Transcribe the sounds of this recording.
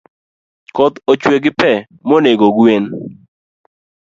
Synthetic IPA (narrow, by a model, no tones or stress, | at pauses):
kɔt̪ot͡ʃweɡɪpɛ | moneɡoɡwen